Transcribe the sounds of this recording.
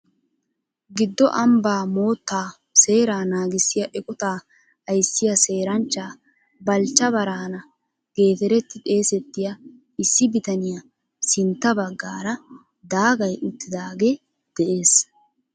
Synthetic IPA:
ɡɪd̪ːɔʔɐmbaːmo̞ːt̪ːaː | se̞ːɾaːnaːɡɪsːɪjɐʔɛkʼɔt̪aː | ɐjsːɪjɐse̞ːɾɐnt͡ʃːaː | bɐlt͡ʃːɐβɐɾaːnɐ | ɡ̥e̞ːt̪ɛɾɛt̪ːɪt̪ʼe̞ːsɛt̪ːɪjɐ | ɪsːɪbɪt̪ɐnɪjɐ | sɪnt̪ːɐbɐɡːaːɾɐ | d̪aːɡɐjʔʊt̪ːɪd̪aːɡe | d̪̥ɛʔe̞ːs

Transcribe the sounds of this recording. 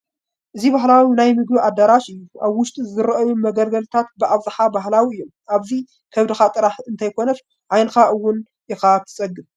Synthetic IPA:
ʔɨzibaɦlawinajmɨɡbiʔad̪ɐɾaʃɨjːuʔaβwʊʃt̪ʼizɨɾɐʔɐjumɐɡɐlɡɐlt̪ʰat̪̚bɨʔaβzɨħabaɦlawiɨjːomʔaβzi | kʰɐβd̪ɨxat̪ʼɨɾaħɨnt̪ʰajkʰo̞nɐf | ʕajnɨxaʔɨwːʊn | ɪxat̪ʰɨ̥t͡sʼɐɡɨm

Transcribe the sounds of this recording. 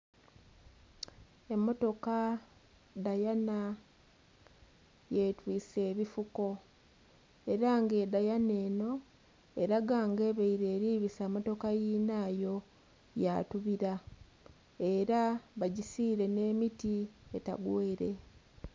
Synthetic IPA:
e̞mːo̞to̞ka | dajana | jetwiːse̞ːβifuko̞ | e̞ɾaŋɡe̞dajane̞ːno̞ | eɾaɡaːŋɡe̞βeiɾe̞ːɾiːβisaːmo̞to̞kajiːnaːjo̞ | jatuβiɾa | e̞ɾaβaɟisiːɾe̞ne̞ːmitie̞ta̰ɡweːɾe̞̰

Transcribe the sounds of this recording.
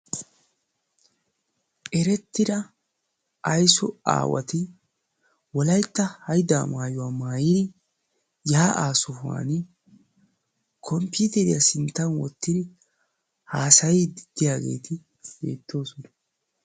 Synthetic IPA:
ʔɛɾɛt̪ːɪd̪ɐ | ʔɐjsɔa̰ːwɐ̰t̪ɪ | wɔlɐjt̪ːɐhɐjd̪a̰ːmaːjʊwaːmaːjɪd̪ɪ | jɐaʔaːsʊfa̰ːn | kʰɔmpjuːt̪ɛɾɪjɐsɪnt̪ːɐnwɔ̰t̪ːɪd̪ɪ | haːsɐjiːd̪ɪd̪̥ːɪjaːɡe̞̰ːt̪ʰɪ | bḛːt̪ːo̞ːsɔnɐ

